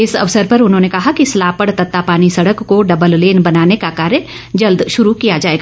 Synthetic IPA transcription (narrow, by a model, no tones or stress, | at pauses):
ɪsɐ̰ʋsəɾpɐɾʊnɦõːnekɐɦakislaːpəɽt̪ɐt̪ːapaːnisɐɽəkːoɖɐbəlleːnbɐnaːnekakaːɾə̃ | d͡ʒɐld̪ʃʊɾukijad͡ʒaːeːɡaː